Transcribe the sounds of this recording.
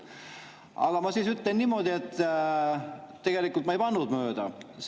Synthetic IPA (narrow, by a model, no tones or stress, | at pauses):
ɑ̰ɡ̥ɑmɑsiːsyt̪lenːimo̞d̪iet̪ː | t̪ːe̞ɡ̥e̞likˑult̪mɑejpɑnːud̪møːd̪̥ɑs